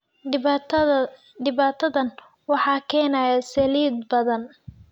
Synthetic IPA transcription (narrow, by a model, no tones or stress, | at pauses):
ɖɪβaːt̪ʰɐðɐn | wɑħɑːkʰɛːnajasɐliːd̪bɐðɐn